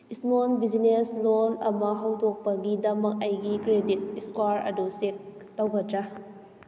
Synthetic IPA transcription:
ismonbizineslonɐmɐɦɐwdɔk̚pɐɡidɐmɐk̚ɐjɡikɾedit̚skwaɾɐ̰dusek̚ | tːɐwɡɐtɾa

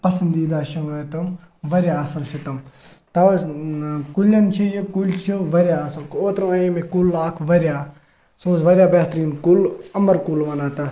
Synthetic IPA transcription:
pɐsɐnd̪iːd̪aːʃɐnet̪ɐm | ʋɐɾʲjaːsɐlt͡ʃʰit̪ɐm | t̪ɐʋɐ | kulʲɐnt͡ʃʰijikulʲt͡ʃʰiʋɐɾjaːsɐlkoːt̪ɾɐ̃ɐjĩmekulːaːkʰʋɐɾʲjaː | sõːzʋɐɾʲjaːbeːɦt̪ɾiːnkulɐmɐɾkulʋɐnaːt̪ɐ

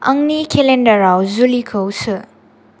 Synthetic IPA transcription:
ɐŋnikʰelendɐɾawzulikʰɯwsɯ

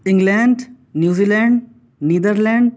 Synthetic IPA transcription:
ɪ̃ŋɡlɛ̃ɳɖ | njuːziːlɛ̃ɳɖ | niːd̪əɾlɛ̃ɳɖ

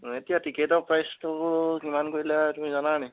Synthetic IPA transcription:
etijatiketɔpɹajstubʊkimankoɹilɛtumĩzananɛ

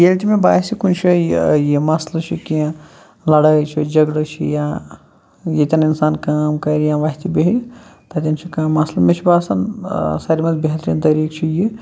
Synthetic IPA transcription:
jelt̪ʲimebaːsikunt͡ʃʰijjimɐslɐt͡ʃʰikiã | lɐɽɐt͡ʃʰid͡ʒɐɡlɨt͡ʃʰḭjã | jet̪ʲɐninsaːnkaːmkɐɾjãːʋaɦt̪ibeɦɾit̪ɐt̪ʲɐnt͡ʃʰikaːmːɐslɐmet͡ʃʰibaːsɐnsaɾimɐt̪biɦɐt̪ɾint̪ɐɾiːkt͡ʃʰiji

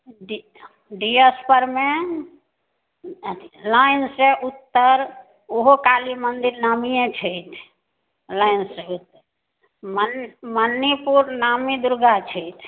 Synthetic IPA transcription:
ɖi | ɖiespəɾme | lainsẽʔut̪ːəɾ | oɦokalimənd̪iɾnamijẽt͡ʃʰəjt̪ʰ | lainseut̪ːəɾ | mənmənːipuɾnamid̪uɾɡat͡ʃʰəjt̪ʰ

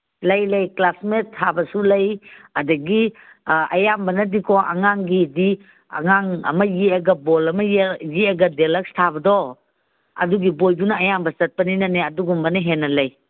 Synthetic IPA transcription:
lɐjlɐjklasmetʰːabɐsulɐjɐdɐɡi | ɐ̰jambɐnɐdikʰɔʔɐ̰ŋaŋɡidi | ɐ̰ŋaŋɐ̰mɐjiɐɡɐbɔlɐmɐjjiɐɡɐdelak̚stʰabɐdɔ | ɐ̰duɡibojdunɐɐjambɐsɐt̚pɐninɐneɐduɡumbɐnɐɦenːɐlɐj

